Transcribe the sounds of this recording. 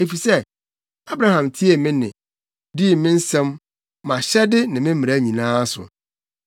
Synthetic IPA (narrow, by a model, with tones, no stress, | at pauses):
e˨fi˨sɛ˦ | a˦bɾa˦hã˨mtʰi˦e˨mɪ̃˦nɪ̰̃˨ | di˦˨mɪ̃˦n̩˦sɛ̃˦mː | ã˨ɕɛ˦dɪ˦nɪ̃˨mɪ̃˦m̩˦mɪ̃˨ɾæ˦˨ɲĩ˨nãː˦sʊ̰˨